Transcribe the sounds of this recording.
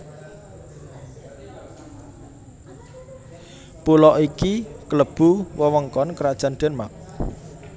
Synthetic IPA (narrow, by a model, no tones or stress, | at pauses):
pulɔʔikikələb̥ṳwəwəŋkɔnkəɾad̥ʒ̥a̤nd̪̥ɛ̤nmak̚